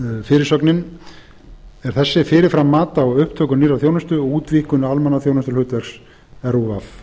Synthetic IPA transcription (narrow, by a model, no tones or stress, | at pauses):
fɪːɾɪɾ̥sœknɪn | ɛɾ̥θɛsːɪfɪːɾɪɾfɾamːaːt̪awʏhpt̪ʰœːkʏniːraθjownʏst̪ʏɔuːt̪viːkʏnalmɛnaθjownɛst̪ʏlhʏːt̪vɛɾks | ɛɾuvaf